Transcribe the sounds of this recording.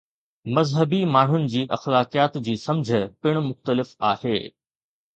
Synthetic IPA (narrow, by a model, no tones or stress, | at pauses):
mɐzɦəbimaːɳ̤ʊnɪ̆d͡ʑiːʔɐ̰xlaːkijaːt̪d͡ʑiːsɐ̃md͡ʑʱəpɪɽ̃ʊmʊxt̪əlɪfa̰ːheː